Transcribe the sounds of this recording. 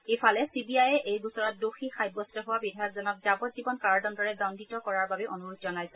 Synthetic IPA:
ejfʰalɛsibiajɛʔejbusɔɹɔt̚doxixajbɔstɔɦʊwabidʱajɔkzɔnɔk̚zabɔt̚zibɔnkaɹdɔndɔɹɛdɔnditɔkɔɹaɹbabɛʔɔnuɹutzɔnajsɛ

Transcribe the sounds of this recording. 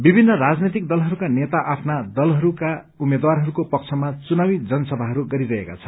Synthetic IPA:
bibʱinːʌrad͡znet̪̬ik̚d̪ʌlɦʌɾukanet̪aʔapʰnad̪ʌlɦʌɾuka | umed̪waɾɦʌɾukopʌk̚t͡sʰʌmat͡sunawid͡zʌnʌsʌbʱaɦʌɾuɡʌɾiɾʌɦeka̰t͡sʰʌ̥

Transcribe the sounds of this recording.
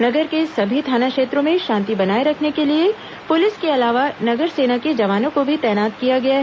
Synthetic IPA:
nɐɡəɾkesɐbʱit̪ʰaːnakʃeːt̪ɾõmẽʃãːnt̪ibɐnaːeɾɐkʰnekelie | pʊlɪskeɐlaːʋanɐɡəɾseːnaked͡ʒɐʋaːnõkobʱit̪ɛːnaːt̪kijaɡɐjaɦɛ

